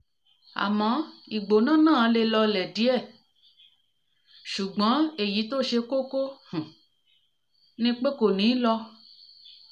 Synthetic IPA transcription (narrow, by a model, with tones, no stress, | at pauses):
a̰˨mã˨˦i˨ɡ͡bo˨nã˦nãː˦˨˦le˧lɔ˧lɛ˨di˨˦ɛ˦˨ | ʃu˨ɡ͡bã˨˦e˦˨ji˨˦t̪o˦ʃe˧ko˦ko˦hũ˨ | nĩ˧k͡pe˦ko˨nĩ˨˦lɔ˧